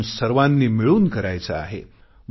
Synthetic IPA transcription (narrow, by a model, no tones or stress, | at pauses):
nsəɾʋãnːiːmiɭuːnkəɾajt͡səa̰ɦḛ | m